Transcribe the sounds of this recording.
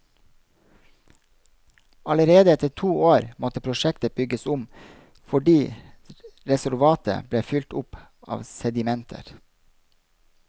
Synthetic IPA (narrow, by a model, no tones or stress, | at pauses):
ɑləɾeːd̪əɛt̪ətʰuːoːɾmɔt̪əpʰɾʊʃɛkt̪əbʏɡəsʊm | fɔɖiː | ɾɛsʉɾʋɑːt̪ə̰bleːfʏlt̪ʊpʔɑ̰ːʋsɛd̪ɪmɛnt̪ʰə̰ɾ